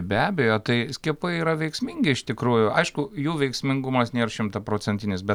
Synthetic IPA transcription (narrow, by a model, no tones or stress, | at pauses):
bʲæːbʲejoːt̪ɐɪsʲkʲiɛpɐɪiːɾɐʋʲɛɪksʲmʲɪŋʲɡʲɪɪʃt̪ʲɪkɾuːjʊɐɪʃkʊjuːʋʲɛɪksʲmʲɪŋɡumɐsnʲeːrʃʲɪmt̪ɐpɾoːt͡sʲɛnʲt̪ʲɪnʲɪsbʲɛt̪